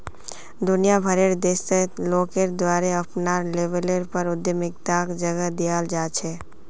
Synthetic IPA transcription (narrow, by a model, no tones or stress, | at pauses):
d̪ʊnijabʱəɾeɾd̪eːseloːkeɾd̪ʋaːɾeəpnaɾleːʋeleɾpəɾʊd̪jəmɪk̚t̪aːkd͡ʒəɡəd̪ijaːld͡ʒaːt͡ʃʰeː